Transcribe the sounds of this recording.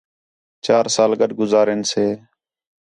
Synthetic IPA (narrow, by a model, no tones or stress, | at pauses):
t͡ʃaːɾsaːlɡəɗɡʊzaːɾeːnseː